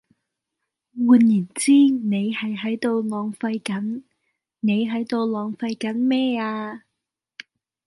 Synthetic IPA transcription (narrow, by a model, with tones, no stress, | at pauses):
wuː˨˧njiː˨˩nt͡siː˥ne˨˧jhɐ˨jɦɐ˨˥jt̪o˨˧wlɔː˨˧ŋfɐ˧jkɐ˨˥n | ne˨˧jɦɐ˨˥jt̪o˨˧wlɔː˨ŋfɐ˧jkɐ˨˥nmɛː˥aː˧